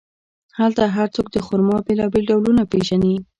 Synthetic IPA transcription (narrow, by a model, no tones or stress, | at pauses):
halt̪aɦaɾt͡sok̚d̪əxʊɾmɑbelɑbelɖawlunapeʒani